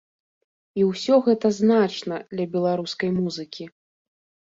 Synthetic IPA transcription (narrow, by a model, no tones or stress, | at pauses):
iwsʲɔɣɛt̪ɐznat͡ʂnɐd̪lʲɐbʲɛlˠaɾuskɐjmuzɨkʲi